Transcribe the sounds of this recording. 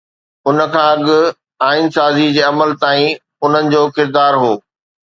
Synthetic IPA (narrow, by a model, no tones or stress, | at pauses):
ʊnə̆kʰãːɐɠʊ̆ | aːɪnsaːzid͡ʑeːɐməlt̪aːĩ | ʊn̤ənɪ̆d͡ʑoːkɪɾd̪aːɾɦoː